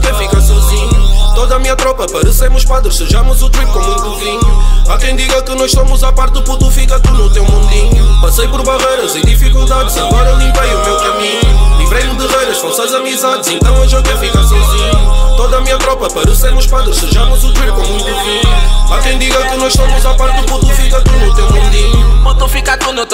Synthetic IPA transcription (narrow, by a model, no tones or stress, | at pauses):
kɛ̃fikɐsɔzĩɲut̪oðɐmiɲɐt̪ɾɔpɐpɐɾɨseɾmuʃpaðɾɨʃsɨʒamuzut̪ɾip̪̚kõmũj̃t̪uvĩɲuakẽj̃d̪iɣɐkɨnɔzʃsomuzapaɾt̪ðuput̪ufikɐtuɾnut̪ewmũnd̪iɲupɐsejpɔɾβɐʁejɾɐzĩd̪ifikulˠd̪aðzɐɣɔɾɐlˠĩmpejumewkɐmĩɲulˠivɾejmɨd̪ɨʁejɾɐʃfɐ̃sazɐmizaðzẽnt̪ɐ̃w̃ɐʒɔɣɛfikasẽsĩɲut̪oðɐmĩɲɐt̪ɾɔpɐpɐɾuseɾmuʃpaðɾɨʃsɨʒaɾmuzut̪ɾip̚kõw̃mũjt̪uviɲuakẽj̃d̪iɣɐkɨnɔzʃst̪omuzapaɾt̪̚d̪uput̪ufikɐt̪unut̪ewmũnd̪ĩɲupɔðnɐ̃w̃fikaɾt̪un